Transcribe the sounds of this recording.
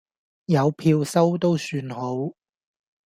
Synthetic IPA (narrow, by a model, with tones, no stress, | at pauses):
jɐ˨˧wpʰiː˧wsɐ˥wt̪o˥wsyː˧nho˨˥w